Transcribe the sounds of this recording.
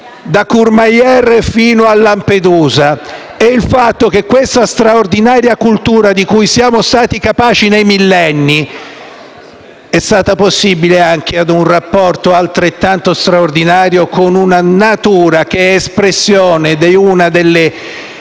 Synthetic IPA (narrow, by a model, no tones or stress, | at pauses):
d̪akurmajɛrefiːnoalːamped̪uːza | ɛilfat̪ːok̟ekːwest̪ast̪ɾaord̪inaːɾjakult̪uːɾad̪ikujsjaːmost̪aːt̪ikapaːt͡ʃinejmilːɛnːi | ɛst̪aːt̪aposːibileaŋk̟ʰead̪unrapːɔrt̪oalt̪ɾet̪ːant̪ost̪ɾaord̪inaːɾjokonunanat̪uːɾak̟eɛespɾesːjoːned̪eunad̪elːe